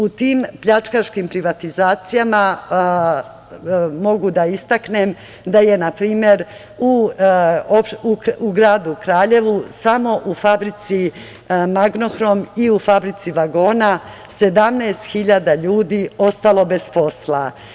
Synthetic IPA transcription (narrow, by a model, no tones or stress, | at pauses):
ut̪iːmpʎat͡ʃkaʃkimpɾiʋat̪izaːt̪sijama | mo̞ɡud̪aist̪akne̞m | d̪aje̞napɾiːmje̞ɾ | u | opuuɡɾaːd̪ukɾaːʎe̞ʋusamo̞ʔufabɾit̪si | maɡno̞xɾo̞miufabɾit̪siʋaɡo̞ːna | se̞d̪amnaest̪xiʎad̪aʎuːd̪io̞st̪alo̞be̞spo̞sla